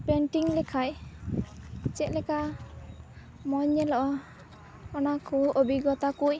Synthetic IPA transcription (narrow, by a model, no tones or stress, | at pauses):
pɛɳʈiŋlɛkʰaj | t͡ʃɛt̪̚lɛka | mɔɲːɛlɔʔɔ | ɔnakʰuʔobiɡɔt̪akuj